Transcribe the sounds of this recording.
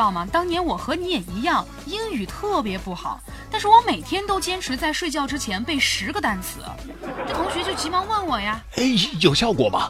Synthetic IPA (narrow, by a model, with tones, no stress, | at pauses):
ɑ˥˩ʊmɐ˩t̪ɑ˥ŋnjɛ˧˥nwɔ˨˩xɤ˧˥ni˧˥jɛ˨˩i˧˥jɑ˥˩ŋ | i˥ny˨˩t̪ʰɤ˥˩p̬jɛ˧˥pu˥˩xɑ˨˩˦ʊ | t̪a˥˧nʂ̬ɻ̩˥˩wɔ˧˥me˨˩ɪt̪ʰjɛ˥nt̪o˥ʊt͡ɕjɛ˥nʈ͡ʂʰɻ̩˧˥t͡sa˥˧ɪʂwe˥˧ɪt͡ɕjɑ˥˧ʊʈ͡ʂɻ̩˥t͡ɕʰjɛ˧˥npe˥˩ɪʂɻ̩˧˥ɡə˧t̪a˥˩nt͡sʰɹ̩˨˩ɐ̰˦ | ʈ͡ʂɤ˥˩t̪ʰʊ˧˥ŋɕɥɛ˧˥t͡ɕjo˥˩ʊt͡ɕi˧˥mɑ˧˥ŋwə˥˩nwɔ˨˩ja˧ | e˥˩ɪjo˨˩ʊɕjɑ˥˩ʊkwɔ̰˨˩mɐ̰˦